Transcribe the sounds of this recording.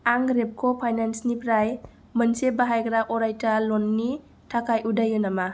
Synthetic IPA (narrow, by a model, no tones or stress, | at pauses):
aŋɡɾep̚kʰopʰajnansnipɾaj | mənsebaɦajɡɾakɔɾajtalɔnːi | tʰakajʔudajɯnama